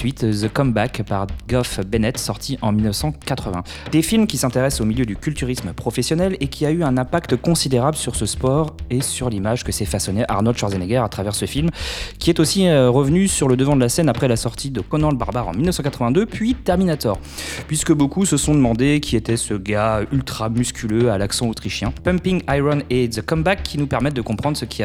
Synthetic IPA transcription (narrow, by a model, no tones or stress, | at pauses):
ɥit̪zəkɔmbakpaʁɡɔfbɛnɛt̪sɔʁt̪ʰiʔɑ̃milnəfsɑ̃kat̪χəvɛ̃ | d̪̥efilmkʲisɛ̃t̪eʁɛsomiljød̪ykʲylt̪yʁisməpχɔfɛsjɔnɛlekʲʰiayɛ̃nɛ̃pakt̪əkɔ̃sid̪eʁabləsyʁsəspɔʁesyʁlimaʒkəsɛfasɔneʔa̰ʁnod̪ʃaʁzeneɡɛʁat̪χavɛʁsəfilmkʲiɛt̪osiʁəvnysyʁləd̪əvɑ̃d̪əlasɛnapχɛlasɔʁt̪ʰid̪əkɔnɑ̃ləbaʁbaʁɑ̰̃milnəfsɑ̃kat̪χəvɛ̃d̪øpɥit̪ɛʁminat̪ɔːʁ | pɥiskəbokusəsɔ̃d̪əmɑ̃d̪ekʲiet̪ɛsəɡaylt̪χamyskʲyløalaksɑ̃ot̪χiʃjɛ̃pɛ̃mpiŋajʁɔnezəkɔmbakʰːinupɛʁmɛt̪̚d̪əkɔ̃pχɑ̃d̪ʁsəkʲia